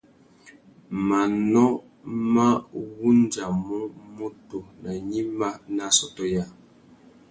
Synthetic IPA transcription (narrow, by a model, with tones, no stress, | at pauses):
ma˨nɔ˦ | ma˦wu˦n˦d͡ʒa˨mu˦mu˦to˨nə˨ɲi˦ma˦na˦sɔ˦tɔ˦ja˦˨